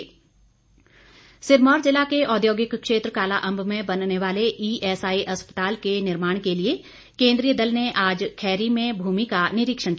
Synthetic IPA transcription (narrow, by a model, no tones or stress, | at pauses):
sɪɾmɔːɾzɪlakeʔɔːd̪joːɡɪkkʃeːt̪ɾəkaːlaʔɐ̃mbʱmẽbɐnneʋaːleʔiːʔɛːsaːiʔɐspət̪aːlkenɪɾmaːɽ̃kelie | kẽːnd̪ɾijəd̪ɐlneʔaːd͡ʒkʰɛːɾimẽbʱuːmikanɪɾɪkʃəɽ̃k